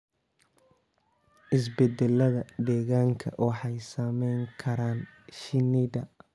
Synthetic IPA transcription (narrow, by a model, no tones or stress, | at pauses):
ʔɪs̬bɛd̪ɛlɐðɐd̪ɛːɣaːŋkʰɐ̰wɑħɑjsaːmɛjŋkʰɐɾaːnʃɪnid̪ɐ